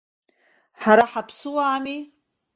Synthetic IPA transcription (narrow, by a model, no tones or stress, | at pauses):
ħaɾaħapʰsɨwaːmi